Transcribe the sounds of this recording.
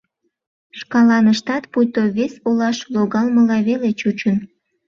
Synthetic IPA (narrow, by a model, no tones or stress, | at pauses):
ʃkɑlɑnəʃt̪ɑt̪pujt̪oβesolɑʃloɣɑlməlɑβelet͡ɕut͡ɕən